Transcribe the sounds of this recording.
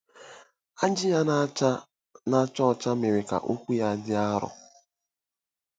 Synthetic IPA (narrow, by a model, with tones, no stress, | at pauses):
a˦d͡ʒɪ˦ja˦n˦a˦ | na˦t͡ʃɔ˦ɔ˨t͡ʃa˦me˨ɾe˨ka̰˨ʔu˦kʷu˦ja˦˨dɪ˦a˦ɾɔ̰˨